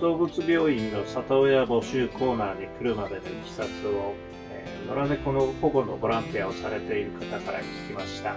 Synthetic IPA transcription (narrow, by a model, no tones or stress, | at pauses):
d̪̥o̞ːbɯt͡sɨbʲjo̞ːĩnːo̞sat̪ojabo̞ɕɨːkʰo̞ːnaːɲ̟ikɯɾɯ̟mad̪e̞noɕi̥sat͡sɨo̞ | e | no̞ɾane̞ko̞no̞ko̞ɡo̞no̞bo̞ɾãnt̪iao̞saɾe̞t̪e̞iɾɯ̟kat̪akaɾa̰kʲi̥kʲimaɕi̥t̪a